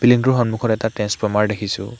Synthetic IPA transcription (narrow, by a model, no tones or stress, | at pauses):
piliŋtuɦɔnmukʰɔɾɛtatɛnspɔmaɹdekʰisṵ